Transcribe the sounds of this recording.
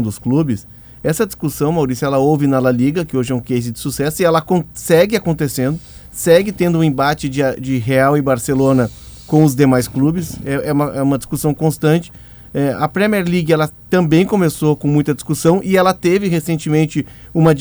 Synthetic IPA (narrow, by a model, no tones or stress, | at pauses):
d̪ʊsklubɪs | ɛsɐd͡ʒiskusɐ̃w̃mawɾisjʊɛlɐowvɪnɐlaliɡɐkɪoʒɪɛũkejzɪd̪ɪsusɛsʊɪɛlɐkõsɛɡɪakõnt̪esẽnd̪ʊ | sɛɡɪt̪ẽnd̪ʊũẽbat͡ʃɪd͡ʒɪad͡ʒɪɦeawɪbaɾselõnɐkõw̃ʊzd̪emajsklubɪsɛʔɛũmɐʔɛũmɐd͡ʒi̥skusɐ̃w̃kõst̪ɐ̃nt͡ʃɪ̥ | ɛɐ̰pɾemiɛɾliɡɛlɐt̪ɐ̃mbẽj̃kõmesokõmũj̃t̪ɐd͡ʒi̥skusɐ̃w̃ʔɪɛlɐt̪evɪɦesẽnt͡ʃɪmẽnt͡ʃɪ | ũmɐ